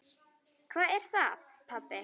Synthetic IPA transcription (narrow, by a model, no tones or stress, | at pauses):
kʰvaːɛɾ̥θaðpʰapːɪ